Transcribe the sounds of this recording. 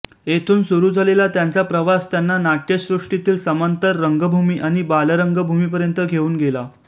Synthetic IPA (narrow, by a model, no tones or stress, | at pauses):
et̪ʰuːnsuɾuːd͡zʱalelat̪jant͡sapɾəʋast̪janːanaʈjesɾuʂʈit̪iːlsəmənt̪əɾːəŋɡəbʱumiːʔaɽ̃ibaləɾəŋɡəbʱumiːpəɾjənt̪əɡʱeuːnɡela